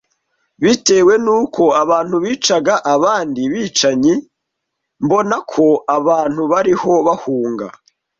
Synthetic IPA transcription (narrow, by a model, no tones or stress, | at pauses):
βite̞ːwe̞nuːkʰo̞aβaːn̥huβiːt͡ʃaɡaʔaβaːndiβiːt͡ʃaɲi | mbo̞nakʰo̞aβaːn̥huβaɾiho̞βahuːŋɡa̰